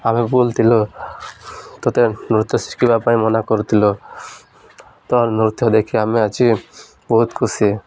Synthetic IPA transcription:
amibolt̪ʰilo | t̪ɔt̪enɾut̪ːsi̥kibapajmɔnakoɾt̪ʰilo | t̪ɔnɾut̪ːod̪ekʰiamiat͡ʃi | boɦut̪kʰusie

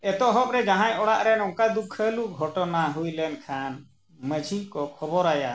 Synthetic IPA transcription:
ɛt̪ɔɦɔp̚ɾɛd͡ʒaɦãjɔɽaʔɾɛnɔŋkad̪ukʰːəluɡʱɔʈɔnaɦujlɛnkʰan | məd͡ʒʱikɔkʰɔbɔɾaja

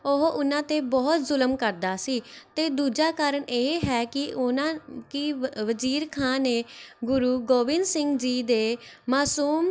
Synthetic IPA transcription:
oɦoʔʊnãːt̪eːbɔːt̪zʊləmkəɾd̪aːsiːt̪eːd̪uːd͡ʒaːkaːɾəɳʔeːɦɛːkɪnãkɪʋəziːɾkʰãːneːɡʊɾuːɡoːʋɪnsɪŋɡd͡ʒiːd̪eːmaːsuːm

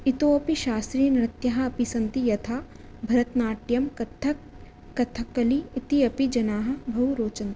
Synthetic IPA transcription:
it̪oːɐpiʃaːst̪ɾiːnɾɐt̪jɐɦɐɐpisɐnt̪ijɐt̪ʰaː | bʱɐɾɐt̪naːʈjɐmkɐt̪ʰːɐ | kɐt̪ʰɐkːɐliːt̪iɐpid͡ʒɐnaːɦɐ̆bʱɐuɾoːt͡ʃɐnt̪

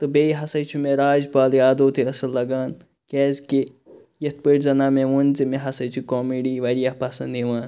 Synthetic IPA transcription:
t̪ɨbejɦɐsɐjt͡ʃʰumeɾaːd͡ʒpaːljaːd̪oːt̪ʰeɐsɐlːɐɡaːn | kɛːzke | jɐt̪̚pəʈzɐnaːmẽʋunzimẽɦɐsɐjt͡ʃʰukoːmiɖiʋɐɾijahpɐsɐnd̪iʋaːn

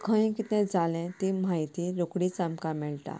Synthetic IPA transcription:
kʰə̃j̃kit̪ɛ̃d͡zʱalɛ̃t̪imajt̪iɾokɽit͡samkamɛɭt̪a̰

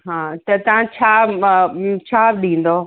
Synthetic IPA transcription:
ɦãːt̪ɐt̪ɐʋ̤ãt͡ɕʰaː | t͡ɕʰaːbɗĩːn̆d̪oː

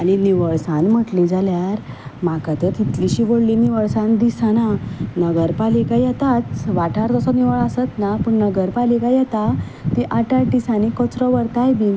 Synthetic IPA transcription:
aɽ̃iniʋəɭsãnm̤əʈlĩd͡zʱaljaɾ | makat̪ət̪it̪liɕiːʋoɽliniʋəɭsãnd̪isananəɡəɾpalikajɛt̪at̪ʋaʈʰaɾt̪ɔsɔniʋəɭasət̪napəɳnəɡəɾpalikajɛt̪a | t̪iʔaʈaʈisanikɔt͡sɾɔʋəɾt̪ajbi

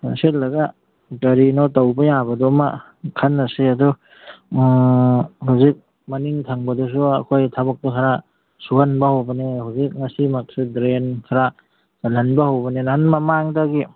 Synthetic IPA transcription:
aselːɐɡa | utaɾinɔtawbajabɐduma̰ | kʰanːɐsiɐdu | ɦawzik̚ | mɐniŋtʰaŋbɐdus̬uɐ̰kʰojtʰabak̚tukʰaɾa | suɦanbahawbɐnehawzik̚ŋɐsimak̚sidɾenkʰaɾa | salanbahawbɐnenaɦanmɐmaŋdaɡi

